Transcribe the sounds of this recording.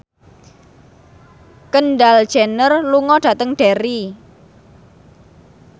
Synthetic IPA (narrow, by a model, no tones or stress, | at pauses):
kənɖal̥ʒ̥enərluŋɔɖ̥a̤t̪əŋɖ̥eɾi